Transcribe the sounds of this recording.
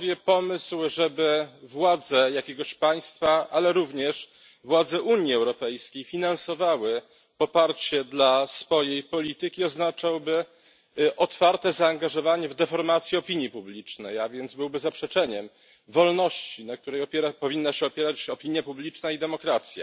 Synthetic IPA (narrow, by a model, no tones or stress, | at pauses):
jɛpɔmɘswʐɛbɘvwad̪zɛjakʲeɡɔɕpaj̃st̪faʔalɛɾuvɲɛʂ | vwad̪zɛʔuɲjiɛwɾɔpɛjskʲejfʲinansɔvawɘ | pɔpaɾt͡ɕɛd̪lasfɔjejpɔlʲit̪ɘkʲiɔznat͡ʂawbɘ | ʔɔt̪faɾt̪ɛzaːŋɡaʐɔvaɲɛvd̪ɛfɔɾmat̪sʲjiɔpʲiɲjipublʲit͡ʂnɛ̰javʲjɛnd̪zbɘwbɘzapʂɛt͡ʂɛɲɛm | vɔlnɔɕt͡ɕinak̚t̪uɾɛjɔpʲjɛɾapɔvʲinːaɕɛɔpʲjɛɾat͡ɕɔpʲiɲjapublʲit͡ʂnaid̪ɛmɔkɾat̪sʲja̰